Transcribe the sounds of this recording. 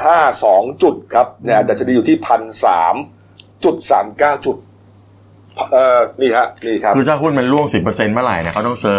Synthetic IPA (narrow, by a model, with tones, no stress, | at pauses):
hʰaː˥˩sɔː˩˦ŋt͡ɕu˨˩t̪̚kʰa˦˥p̚naː˦˥˩t̪ɛː˨˩t͡ɕa˨˩di˧juː˨˩iː˥˩pʰa˧nsa̰ː˩˦m | t͡ɕu˨˩t̪̚saː˩˦mkaː˥˩wt͡ɕu˨˩t̪̚ | pʰʔɤː˧˩niː˥˩kʰa˦˥ʔniː˥˩kʰɾa˦pʰkɯː˧t̪ʰaː˥˩ɦu˥˩nma˧nɾu˥˩əŋsi˨˩pːɤː˧se˧nma˦˥˩ɾa˨˩jni˥˩kʰa˥˩t̪ɔ˥ŋsɤː˦